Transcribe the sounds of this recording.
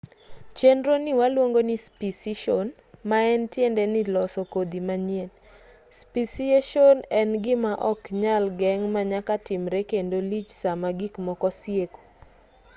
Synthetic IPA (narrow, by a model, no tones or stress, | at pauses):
t͡ʃendɾonɪwalwoŋɡonispisiʃon | maɛntjendɛnɪlɔsɔkod̪imaɲjen | spisieʃonɛnɡɪmaʔɔkɲalɡɛŋmaɲakatɪmɾekendolit͡ʃsamaɡikmɔkɔsjeko̥